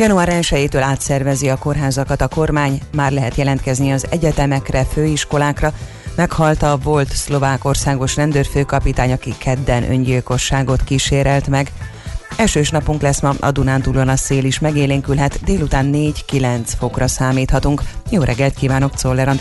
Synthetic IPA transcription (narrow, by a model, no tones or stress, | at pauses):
jɒnuaːɾɛnʃɛjeːt̪øːlaːt̪sɛrvɛziɒko̞rɦaːzɒkɒt̪ɒko̞rmaːɲmaːrlɛɦɛt̪jɛlɛnt̪kɛzniɒzɛɟɛt̪ɛmɛkrɛføːiʃko̞laːkrɒ | mɛkhɒlt̪ɒvo̞lt̪slo̞vaːko̞rsaːɡo̞ʃnɛnd̪øːrføːkɒpit̪aːɲɒkikʰɛd̪ːɛnʔø̞̰ɲɟilko̞ʃːaːɡo̞t̪kiʃeːɾɛlt̪mɛɡ | ɛlʃøːʃnɒpuŋklɛsmɒɒ̰d̪unaːnt̪ulonɒseːliʃmɛɡeːleːŋkylɦɛt̪d̪eːlut̪aːnːeːɟkilɛnt̪sfo̞krɒsaːmiːt̪hɒt̪uŋkjoːɾʔɛɡːɛlt̪̚kiːvaːno̞k̚t̪so̞lːɛɾɒnt̪